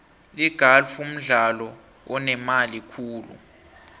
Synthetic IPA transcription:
liɡ̥ʱalfum̩ɮalɔ | wɔnɛmalikʰuːlṵ

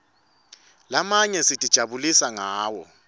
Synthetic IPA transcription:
lamaɲɛsitʼid̥ʒ̥ʱaβulisaŋaːwɔ̰

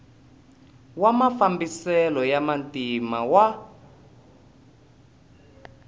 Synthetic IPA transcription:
wamafambisɛlɔjamantimawa

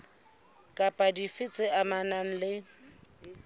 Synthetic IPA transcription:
kʼapʼadifɪt͡sʼɪamanan̩lɪ

